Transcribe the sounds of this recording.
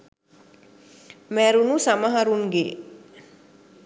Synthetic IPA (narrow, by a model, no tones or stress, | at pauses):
mɛɾunusamaɦaɾunɡe